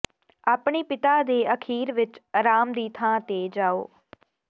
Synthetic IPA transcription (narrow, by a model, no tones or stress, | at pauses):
aːpɳiːpɪt̪aːd̪eːəkʰiːɾʋɪt͡ʃɾaːmd̪iːt̪ʰãːt̪eːd͡ʒaːo̰ː